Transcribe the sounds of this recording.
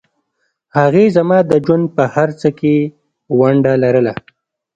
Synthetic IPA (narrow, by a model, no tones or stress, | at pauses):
haɣezamɑd̪əd͡ʒwand̪̚pəhaɾt͡səke | waɳɖalaɾəla